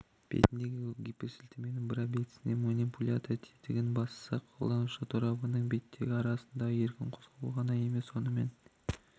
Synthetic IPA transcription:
b̥ḛt̪ɪnd̪e̞ɡʲɪɡʲipʲesɪlt̪eme̞nɪŋbɪɾɑbet̪ɪ̥sɪne̞munipulʲat̪t̪ʰet̪ɪɡʲɪnbɑst̪ə̥sɑqʰolˠɑnuʃət̪ʰuɾɑbənəɴbe̞t̪ːe̞ɡʲɪɑɾɑsənd̪ɑje̞ɾkʲɪnqʰozʁɑləlˠʁɑnɑje̞me̞swo̞nəme̞̰n

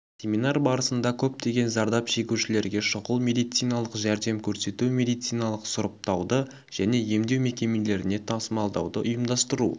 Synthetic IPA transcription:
sʲe̞minɑɾbɑɾəsənd̪ɑkʲʰɵp̚t̪e̞ɡʲe̞nzɑɾd̪ɑpʃe̞kʲuʃɪle̞ɾɡʲe̞ʃʊʁəlˠme̞d̪ijt̪sijnɑlˠəqʒæɾd̪e̞mkʲʰɵɾse̞t̪umʲe̞d̪ijt̪sijnɑlˠəqsʊɾəp̚t̪ɑwd̪ə | ʒ̥æne̞je̞md̪ewme̞kʲe̞mele̞ɾɪne̞t̪ʰɑsəmɑlˠd̪ɑ̰wd̪əʔʊjəmd̪ɑst̪əɾṵ

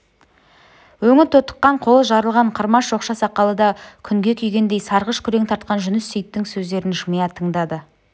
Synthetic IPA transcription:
wɵŋɪɾt̪ʰot̪ə̥qːɑɴqʰo̞lˠəsʒɑɾəlˠʁɑɴqʰəɾmɑsʒo̞qʃɑsɑqːɑlˠəd̪ɑkʲʰʏŋɡʲe̞kʲʰʏjɡʲe̞nd̪e̞jsɑɾʁəʃkʲʰʏɾe̞ŋt̪ʰɑɾt̪̚qɑnʒʏnɪsːʏjt̪ːɪŋsɵzd̪e̞ɾɪnʒʊmɑjɑt̪ʰəɴd̪ɑd̪ə

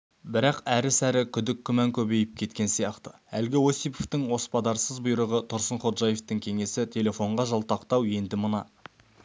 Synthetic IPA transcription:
bɪɾɑqæɾɪsæɾɪkʲʰʏd̪ɪkʲʰːʏmæŋkʲʰɵbe̞jɪp̚kʲʰe̞t̪̚kʲe̞nsijɑqt̪ə̥ | ælɡʲɪwo̞sijpoft̪ɪŋwo̞spɑd̪ɑɾsəzbʊjɾəʁət̪ʰʊɾsəɴχo̞t̪ʒɑje̞ft̪ɪŋkʲʰe̞ŋe̞sɪt̪ʰe̞lʲe̞fo̞ɴʁɑʒɑlˠt̪ɑqt̪ɑwje̞nd̪ɪmənɑ

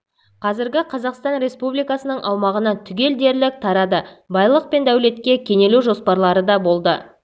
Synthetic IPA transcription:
qʰɑzɪɾɡʲɪqʰɑzɑqst̪ɑnɾe̞spublijkɑsənəɴʔɑwmɑʁənɑt̪ʰʏɡʲe̞ld̪e̞ɾlɪk̚t̪ʰɑɾɑd̪əbɑjlˠəq̚pe̞nd̪æwle̞t̪kʲe̞kʲʰe̞ne̞luʒo̞spɑɾlˠɑɾəd̪ɑbo̞lˠd̪ə

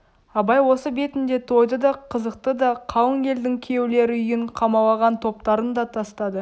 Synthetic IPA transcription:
ɑbɑjwo̞səbe̞t̪ɪnd̪e̞t̪ʰo̞jd̪əd̪ɑqʰəzəq̚t̪əd̪ɑqʰɑwəŋɡʲe̞ld̪ɪŋkʲʰe̞wle̞ɾɪʏjɪɴqʰɑmɑlˠɑʁɑnt̪ʰo̞pt̪ɑɾənd̪ɑt̪ʰɑst̪ɑd̪ə

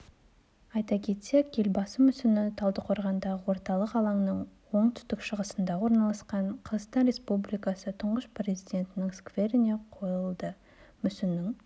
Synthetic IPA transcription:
ɑjt̪ɑkʲʰe̞t̪se̞kʲje̞lbɑsəmʏsɪnɪt̪ʰɑlˠd̪əqʰo̞ɾʁɑnd̪ɑʁəwo̞ɾt̪ɑlˠəqɑlˠɑŋnəɴwo̞ɴt̪ʰʏ̥st̪ɪkʃəʁəsənd̪ɑwo̞ɾnɑlˠɑsqɑɴqʰəɾʁət̪ɑnɾe̞spublijkɑsət̪ʰʊɴʁəsprʲe̞zijd̪ʲe̞nt̪ɪnɪŋskvʲe̞ɾɪne̞qʰo̞jəlˠd̪ə | mʏsɪnɪŋ

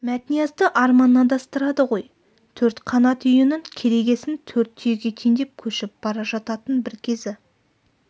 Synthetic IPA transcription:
mæt̪ɪnijɑzd̪əʔɑɾmɑnːɑnd̪ɑst̪əɾɑd̪əʁo̞j | t̪ʰɵɾt̪qʰɑnɑt̪ʰʏjɪnɪŋkʲʰe̞ɾe̞ɡʲe̞sɪnt̪ʰɵɾt̪ʰːyjɡʲe̞t̪ʰeŋd̪e̞p̚kʲʰɵʃɪp̚b̥ɑɾɑʒɑt̪ɑt̪ənbɪɾkʲʰe̞zɪ

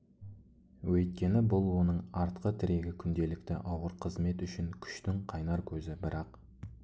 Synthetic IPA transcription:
wɵjt̪̚kʲe̞nɪbʊlˠwo̞nəɴɑɾt̪qət̪ʰɪɾe̞ɡʲɪkʲʰʏnd̪e̞lɪk̚t̪ɪ̰ʔɑwəɾqʰəzme̞t̪ʏʃɪŋkʲʰʏ̥ʃt̪ɪŋqʰɑjnɑɾkʲʰɵzɪbɪɾɑq

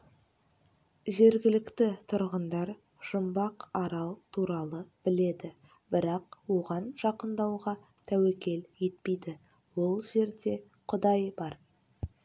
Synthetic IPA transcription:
ʒe̞ɾɡʲɪlɪkt̪ɪt̪ʰʊɾʁənd̪ɑɾ | ʒ̥əmbɑqɑɾɑlˠt̪ʰuɾɑlˠəb̥ɪle̞d̪ɪ | bɪɾɑqwo̞ʁɑnʒɑqənd̪ɑwʁɑ | t̪ʰæwekʲe̞ljet̪̚pejd̪ɪ | wo̞lˠʒe̞ɾd̪e̞ | qʰʊd̪ɑjbɑɾ

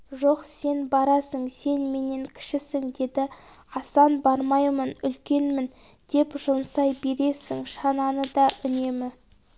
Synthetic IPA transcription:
ʒo̞qse̞nbɑɾɑsəɴse̞nme̞ne̞ŋkʲʰɪ̥ʃɪsɪŋd̪e̞d̪ɪ | ɑsɑnbɑɾmɑjmənʏlkʲe̞nmɪn | d̪̥e̞pʒʊmsɑjbe̞ɾe̞sɪŋʃɑnɑnəd̪ɑʔʏne̞mɪ

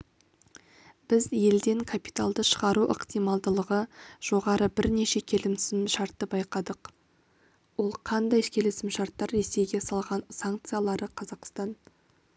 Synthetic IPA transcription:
b̥ɪzje̞ld̪e̞ŋkʰapi̥t̪alˠd̪əʃəʁɑɾuʔə̰qt̪ijmɑlˠd̪əlˠəʁəʒ̥o̞ʁɑɾəbɪɾne̞ʃe̞kʲʰe̞lɪmsɪmmʃɑɾt̪ːəbɑjqɑd̪əq | wo̞lˠqʰɑnd̪ɑjkʲʰe̞lesɪmʃɑɾt̪ːɑɾːe̞se̞jɡʲe̞sɑlˠʁɑnsaŋk̚t̪sɨjalˠɑɾəqʰɑzɑqst̪ɑn

